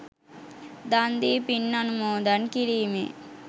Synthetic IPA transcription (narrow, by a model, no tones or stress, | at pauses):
d̪and̪ipinːɐnumoːd̪ɐnkiɾiːmḭ